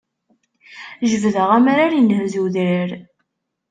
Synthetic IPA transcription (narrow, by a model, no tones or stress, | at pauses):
ʒəvðəʁæmaɾaɾjinhzuwðɾəɾ